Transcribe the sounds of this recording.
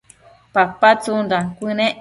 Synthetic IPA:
papat͡sund̪akʷinẽʔ

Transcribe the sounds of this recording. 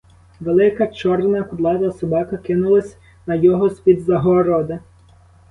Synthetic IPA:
ʋelˠɪkɐt͡ʃɔrnɐkʊd̪lˠɑd̪ɐsɔbɑkɐkɪnʊlˠɐsʲ | nɐjɔɦɔsʲpʲid̪zɐɦɔɾɔd̪ɪ

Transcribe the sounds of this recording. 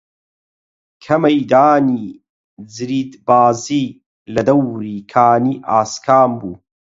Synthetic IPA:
kʰɐmɐjd̪aːniː | zɾiːd̪baːziː | lɐd̪ɐwɾiːkʰaːniːʔaːskʰaːmbuː

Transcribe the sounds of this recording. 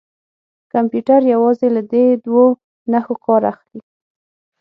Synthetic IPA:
kampjuʈaɾjawɑzelad̪ed̪wo | naxokʰɑɾa̰xli

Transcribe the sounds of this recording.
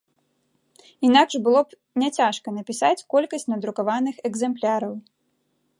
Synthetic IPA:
in̪akʂbɨlˠɔp | nʲɛt͡sʲaʂkɐnɐpʲisat͡sʲkɔlʲkɐsʲt͡sʲnɐd̪ɾukavanɨxɛɡzɛmplʲaɾɐw

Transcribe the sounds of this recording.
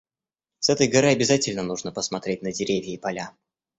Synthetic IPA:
sɛt̪əjɡɐɾɨɐbʲɪzatʲɪlʲnənuʐnəpəsmɐt̪ɾʲetʲnədʲɪɾʲevʲjɪːpɐlʲa

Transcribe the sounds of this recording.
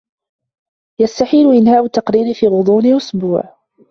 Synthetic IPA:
jast̪aħiːlʊʔɪnhaːʔʊt̪ːɑqɾiːɾifiːɣʊd̪ˤuːnɪʔʊsbuːʕ

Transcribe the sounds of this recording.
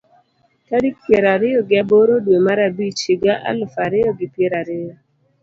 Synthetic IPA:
tadik̚pjeɾaɾɪɔɡɪaboɾodwemaɾabit͡ʃɪɡaʔa̰lfaɾɪɔɡɪpjeɾaɾɪjɔ

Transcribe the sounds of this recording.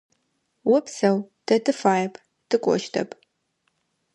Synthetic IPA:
wɔpsɐwd̥ɐtʰɨfaːjɐpʰ | tʰɨkʷʼɔ̰ʃtʰɐ̰pʰʼ

